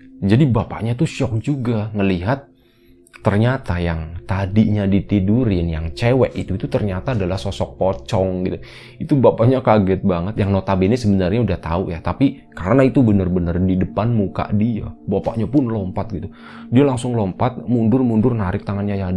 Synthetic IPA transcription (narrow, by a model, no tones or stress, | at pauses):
d͡ʒadibapa̰ʔɲat̪uʃɔk̚d͡ʒuɡaŋəliɦat̪̚ː | ərɲat̪ajaŋt̪adiʔɲadit̪iduɾɪnjaŋt͡ʃewɛʔit̪uit̪ut̪ərɲat̪aːdalahsosɔkːot͡ʃɔŋɡit̪u | it̪ubapaʔɲakaɡɛt̪̚baŋət̪jaŋnot̪abenɛsəbənarɲaudaht̪a̰ujat̪api | kaɾənait̪ubənərbənərdidəpanmuka̰ʔdia̰bapa̰ʔɲapʊnlɔmpat̪̚ɡit̪u | dialaŋsʊŋlɔmpat̪̚mundʊrmundʊrnaɾɪk̚t̪aŋanɲaja